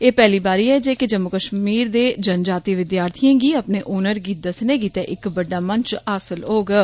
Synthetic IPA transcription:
eːpɛːliːbaːɾiːɛːd͡ʒeːkɪd͡ʒəmːʊkəʃmiːɾd̪eːd͡ʒənd͡ʒaːt̪iːʋɪd̪jaːɾt̪ʰijãːɡiːəpneːʔoːnəɾɡiːt̪̚d̪əsneːɡiːt̪ɛːʔɪkbəɖːaːmənt͡ʃaːsəlɦoːɡː

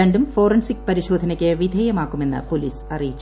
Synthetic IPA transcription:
ɐɳɖumfo̞ːrɐnsikpɐɾiɕo̞ːd̪ʱɐnɐkʲːeʋid̪ʱɐːjɐmaːkːume̞nːɨ̰poliːsɐrijit͡ɕː

